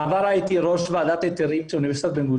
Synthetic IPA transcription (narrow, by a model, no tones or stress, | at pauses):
avaɾajit̪iɾoʃvaːd̪at̪et̪eɾivt͡ʃeuniveɾsi̥t̪at̪benɡu